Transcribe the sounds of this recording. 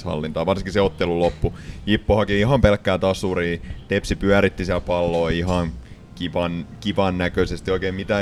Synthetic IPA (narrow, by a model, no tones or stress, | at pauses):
hɑ̰lːint̪ɑːʋɑrsiŋkiseot̪ːelulopːujipːohɑkiiɦɑmpelkːæːt̪ɑsuriːt̪epsipyæɾit̪ːisiælpɑlːoːihɑn | kiʋɑnkiʋɑnnækøsest̪ioikeːmmit̪æ